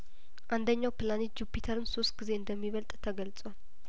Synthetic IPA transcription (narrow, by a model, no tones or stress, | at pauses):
ʔand̪əɲːawpɨlanitd͡ʒupʰːit̪ʰəɾɨnso̞st̪ɡ̥ize̞ɨnd̪əmːiβəlt̪ʼt̪ʰəɡəlt͡sʼwal